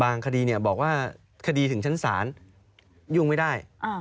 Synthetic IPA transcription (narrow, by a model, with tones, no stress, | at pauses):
baː˧ŋkʰa˧diː˧ni˥˩ɐbɔː˨˩k̚waː˥˩ | kʰa˧diː˧t̪ʰɯ˩˦ŋt͡ɕʰa˦˥nsa̰ː˩˦n | juː˥˩ŋma˥˩jdaː˥˩jʔa˧˩